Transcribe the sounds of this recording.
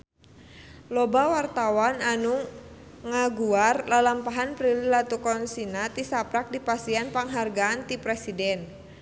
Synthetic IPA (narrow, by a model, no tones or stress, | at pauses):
lɔbawart̪awananu | ŋaɡuarlalampaɦanpɾililat̪ukɔnsinat̪isapɾak̚dipasianpaŋɦarɡaːnt̪ipɾɛsidɛn